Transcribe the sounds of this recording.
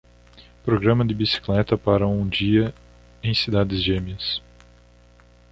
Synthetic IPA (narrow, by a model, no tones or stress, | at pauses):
pɾoɡɾɐ̃mɐd̪ɪbisi̥klɛt̪ɐpaɾɐũd͡ʒiɐ | ẽj̃sid̪ad̪ɪzʒẽmiɐs